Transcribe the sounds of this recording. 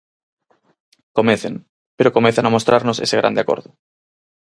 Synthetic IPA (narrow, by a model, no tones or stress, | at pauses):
komeθeŋ | peɾokomẽθanamost̪ɾaɾnosḛseɣ̞ɾa̰nd̪eako̰ɾðʊ